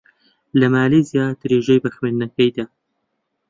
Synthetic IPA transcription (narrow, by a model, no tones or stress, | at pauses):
lɐmaːlizjaːd̪ɨɾeːʒejbɐxwennɐkɐjd̪aː